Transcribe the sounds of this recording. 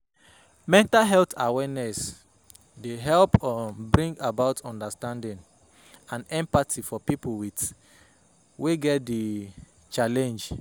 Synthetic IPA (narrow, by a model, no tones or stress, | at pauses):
mɛ̃ntalɦɛltawɛnɛs | deɦɛlpɔ̃nbɹĩŋɡabaʊtɔ̃ndastãndĩn | ãnɛ̃mpatʰifɔpipolwit | weɡɛt̚di | t͡ʃalɛ̃nd͡ʒ